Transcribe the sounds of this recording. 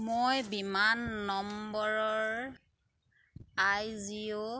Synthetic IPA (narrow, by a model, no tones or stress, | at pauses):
mojbimanːɔmbɔɹɔɹ | ajzio